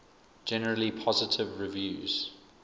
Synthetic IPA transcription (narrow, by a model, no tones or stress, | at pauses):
d͡ʒɛnəɹəlipʰɔzɪtʰɪvɹivjʉːz̥